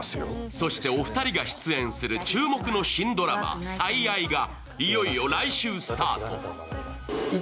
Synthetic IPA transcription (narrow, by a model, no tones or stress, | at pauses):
so̞ɕi̥t̪e̞o̞ɸɯ̟̥t̪aɾʲiɡaɕi̥t͡sɨẽ̞ɰ̃sɨɾɯ̟t͡ɕɨːmo̞kɯno̞ɕĩnd̪o̞ɾa̰ma̰saiaiɡa | ijo̞ijo̞ɾaiɕɨːsɨ̥t̪aːt̪o̞̰